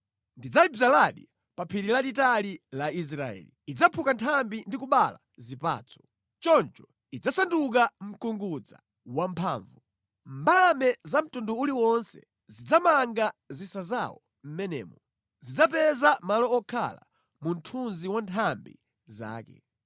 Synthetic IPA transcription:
ndid͡zaibzalaɗḭ | papʰiɾilaɗitalilais̬ɾaɛ̰ːliid͡zapʰukantʰambindikuɓala̰ | zipa̰ːt͡sʰɔ̥ | t͡ʃɔnt͡ʃɔ̥ | id͡zasanduk̬am̩kuŋɡud͡za̰ | wampʰaːɱvu | mbalamɛzam̩tunduuliwɔnsɛ̰ | zid͡zamaŋɡazisaza̰wɔ | m̩mɛnɛ̰ːmɔ | zid͡zapɛzamalɔːkʰa̰la̰ | mun̩tʰunziwantʰambḭ | za̰ːkɛ̰

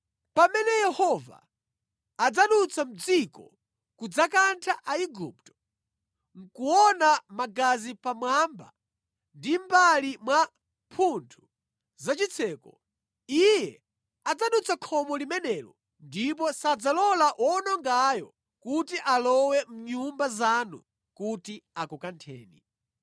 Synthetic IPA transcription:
pamɛnɛjɛhɔva̰ː | d͡zaɗut͡sʰam̩d͡zikɔ̰ | kud͡zakantʰaʔaiɡup̚tɔ̥ | ŋ̩kuwɔnamaɡazipamwamba̰ | ndimbalimwa | pʰuntʰu̥ | zat͡ʃit͡sʰɛːkɔ̰ | ijɛ | ad͡zaɗut͡sʰakʰɔmɔlimɛnɛlɔ̰ | ndip̬ɔsad͡zalɔlaʔwɔnɔŋɡajɔ | kutiʔalɔwɛm̩ɲumbazanṵ | kutiakɔkantʰɛːni

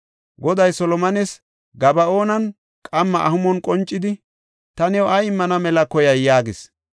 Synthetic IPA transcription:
ɡɔd̪ɐjsɔlɔmɐnɛs | ɡɐbɐoːnɐn | kʼɐmːɐʔɐhʊmɔnkʼɔnt͡ʃʼːɪd̪ɪ | t̪ɐnɛwʊɐjɪmːɐnɐmɛlɐkɔjɐjːaːɡɪs

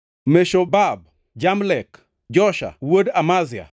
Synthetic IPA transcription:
meʃobab̚ | d͡ʒamlɛk | d͡ʒɔʃa̰wodamazɪa̰

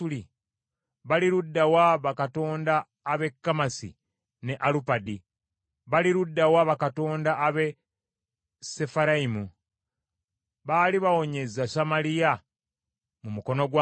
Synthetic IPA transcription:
uli | βaliɾudːawaβakato̞ːndaː | βe̞kːamasḭ | ne̞ʔalupadi | βaliɾudːawaβakato̞ːndaːβe̞ | se̞faɾaimu | βaːliβawo̞ɲe̞zasamalija | mumuko̞no̞ɡwa

